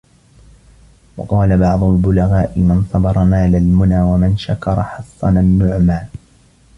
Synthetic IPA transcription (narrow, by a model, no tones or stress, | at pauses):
wɑ̰qɑːlabɑʕd̪ˤʊlbʊlaɣaːʔɪmɪnsˤɑbɑɾˤɑmaːlalmʊnaːwamɪnʃakɑɾˤɑħɑsˤːɑnanːʊʕmaː